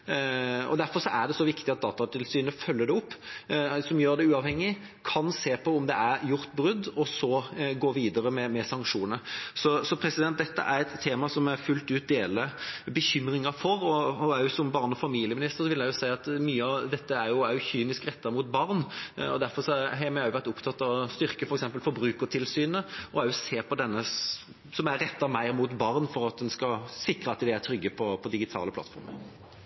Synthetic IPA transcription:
ɔ̰d̪æɾfɔɾʂɔʔæɖ̪ɛsɔʋɪkt̪ɪɑt̪̚d̪ɑːt̪ɑt̪ʰɪlsyːnəfœlːəd̪ɛʊpːsɔmjøːɾd̪ɛʉːɑʋhɛŋːɪ | kʰɑnseːpʰɔʊmd̪ɛæɾjʊɾt̪bɾʉd̪ːɔsɔɡoːʋiːd̪əɾəmɛmɛsɑŋkʂuːnəsɔsɔpʰɾɛsɪd̪ɛnt̪̚d̪ɛt̪ːə̰ʔæɾɛt̪t̪ʰːeːmɑsɔmæɾfʉlt̪ʉːt̪̚d̪eːləbəçʏmɾɪŋɑfɔɾɔɔɑjsɔmbɑʁnɔfɑmiːlɪəmɪnɪst̪əɾsɔʋɪld̪æjʊsæɪɑt̪myːəɑd̪ɛt̪ːəæɾjʊæœjʊçyːnɪskɾɛt̪ːəɾəmuːt̪bɑɾnɔ̰d̪æɾfɔɾsɔɦɛmɑjʊʋæɾt̪ʊpt̪ʰɑt̪ːɑʋɔst̪ʏɾkəfɔɾɛksɛmpəlfɔɾbɾʉːkəɾt̪ʰɪlsyːnəɔɑjʊseːpʰɔd̪ɛnːə | sɔmæɾɾɛt̪ːəɾmæɪɾmuːt̪bɑʁnfɔɾɑt̪̚d̪ɛnskɑsɪkɾəɑt̪d̪ɛæɾt̪ʰɾʏɡːəpʰɔpʰɔd̪ɪɡɪt̪ʰɑ̰ːləpʰlɑ̰t̪fɔ̰ɾmə̰ɾ

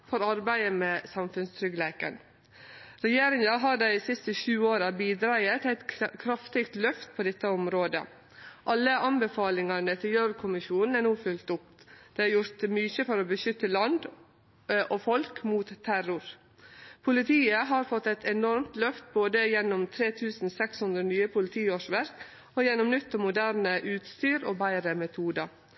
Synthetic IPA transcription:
fɔɾɑɾbæɪəmeːsɑmfʉnst̪ʰɾʏɡleːkə̰n | ɾɛjeːɾɪŋɑɦɑːɖæɪsɪst̪əʃʉːoːɾɑbiːd̪ɾɑət̪ʰæɪt̪kʰɾɑft̪ɪkt̪lœft̪̚pʰoːd̪ɛt̪ːəɔmɾoːd̪ə̰ | ʔɑlːəʔɑnbəfɑːlɪŋɑnət̪ʰɪljøːɾkʰʊmɪʃuːnn̩ænuːfʉlt̪ʊpd̪̥ɛæɾjʊɾt̪myːçəfɔɾɔbəʃʏt̪ːəlɑnd̪ | ʔɔfɔlkmuːt̪ʰːæɾʊɾ | pʰʊlɪt̪ʰiːəɦɑɾfɔt̪ːɛt̪ʰɛnɔɾmt̪lœft̪̚boːd̪əjɛnːʊmt̪ʰɾeːt̪ʰʉːsn̩sɛkshʉnd̪ɾənyːəpʰʊlɪt̪ʰiːoːʂʋæɾk | ɔjɛnːɔmnʏt̪ːɔmʊd̪æːɾnəʔʉːt̪st̪yːɾo̰ːbæɪɾəmɛt̪ʰuːd̪ɑ

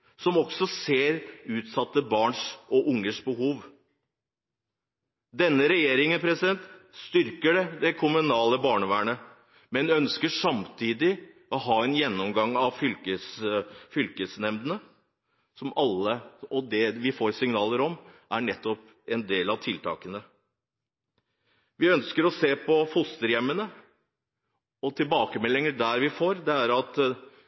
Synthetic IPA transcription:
sɔmɔksɔseːɾʉːt̪sɑt̪ːəbɑːɳʂɔʔʊŋːəʂbəɦuːʋ | d̪ɛnːəɾɛjeːɾɪŋənpʰɾɛsɪd̪ɛnt̪st̪ʏɾkəɖɛd̪ɛkʰʊmʉnɑːləbɑːɳəʋæːɳə | mɛnœnskəʂɑmt̪ʰiːd̪ɪ | ɔɦɑːɛnjɛnːɔmɡɑŋːɑʋfʏlkəsfʏlkəsnɛmd̪ənə | sɔmɑlːəɔd̪ɛʋɪfoːɾsɪŋnɑːləɾɔmʔæɳɛt̪ːɔp | ɛnd̪eːlɑʋt̪ʰɪlt̪ʰɑ̰ːkənə | ʋɪœnskəɾɔseːpʰɔfʊst̪əɾjɛmːənə | ɔt̪ʰɪlbɑːkəmɛlːɪŋəɖæɾʋɪfoːɾd̪ɛæɾɑt̪

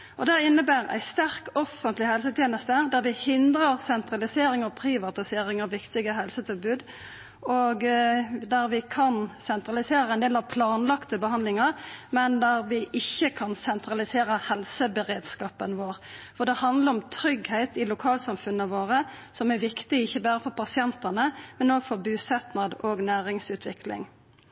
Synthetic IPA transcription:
ʔɔd̪æɪnːəbæːʁæ̰ɪst̪æʁkɔfːənt̪lɪhɛlsət̪ʰjeːnəst̪əd̪æʁʋɪhɪnd̪ʁəʁsɛnt̪ɾɑlɪseːɾɪŋəpʰɾɪʋɑt̪ɪseːɾɪŋɑʋʋɪkt̪ɪɡəɦɛlsət̪ʰɪlbʉːd̪ | oɡd̪æɾʋɪkʰɑnsɛnt̪ɾɑlɪseːɾəɛnd̪eːlɑʋpʰlɑːnlɑkt̪əbəhɑnd̪lɪŋəʁmɛnd̪æʁʋɪʔɪçːəkʰɑnsɛnt̪ɾʁɑlɪseːɾəhɛlsəbəʁeːd̪skɑːpənʋoːɾfɔʁd̪ɛhɑnd̪ləɾɔmt̪ʰɾʏɡhæɪt̪ɪlʊkʰɑːlsɑmfʉnːəʋoːʁəsɔmæɾʋɪkt̪ɪɪçːəbæːɾəfɔɾpʰɑsɪɛnt̪ənəmɛnoːɡfɔʁbʉːsɛt̪nɑd̪ɔɡnæːɾɪŋsʉːt̪ʰʋɪklɪ̰ŋ

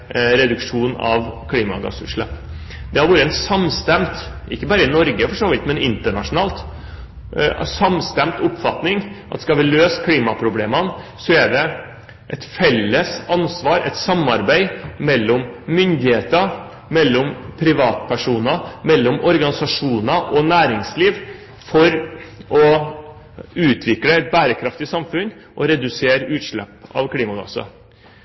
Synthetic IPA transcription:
ɾɛd̪ʉkʂuːnɑ̰ʋkʰliːmɑ̰ɡɑ̰sʉ̰ʂlɑp | d̪̥ɛhɑɾʋuːɾəɛnsɑmst̪ɛmt̪ | ʔɪkːəbɑːɾəɪnɔɾɡəfɔʂoːʋɪt̪mɛnɪnt̪əɳɑʂʊnɑːlt̪ | sɑmst̪ɛmt̪ʊpːfɑt̪nɪŋʔɑt̪ːskɑʋɪløːskʰliːmɑpʰɾʊbleːmənsɔɛɖɛ | ʔɛt̪fɛlːəsɑnsʋɑːɾɛ̰t̪sɑmːɑɾbæɪmɛlːɔmmʏnd̪ɪheːt̪ə | mɛlːɔmpʰɾɪʋɑːt̪pʰæʂuːnɑmɛlːɔmʔɔɾɡɑnɪsɑʂuːnɑʔɔnæːɾɪŋsliːʋ | fɔɾʔɔ | ʉːt̪ʰʋɪkləɛt̪̚bæːɾəkʰɾɑft̪ɪsɑmfʉnʔɔɾɛd̪ʉseːɾʉːt̪ʂɭɛ̰pːɑ̰ʋkʰliːmɑɡɑ̰sɑ̰

